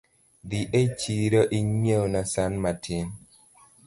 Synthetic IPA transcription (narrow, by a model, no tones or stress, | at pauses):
diʔet͡ʃiɾɔʔiɲewnasanmatʰen